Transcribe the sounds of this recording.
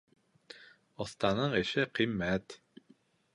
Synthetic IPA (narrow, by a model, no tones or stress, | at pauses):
ɔ̆θt̪ɑnɤɴɘ̆ʃɘqimːæt̪